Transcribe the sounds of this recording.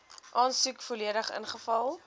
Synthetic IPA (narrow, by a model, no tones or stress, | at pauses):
ʔɑːnsukfoliədəχə̰nχəfɐlˠ